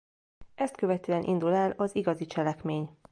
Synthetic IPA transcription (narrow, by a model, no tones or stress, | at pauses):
ʔɛst̪køvɛt̪øːɛnʔḭnd̪ulɛlɒziɡɒzit͡ʃɛlɛkmeːɲ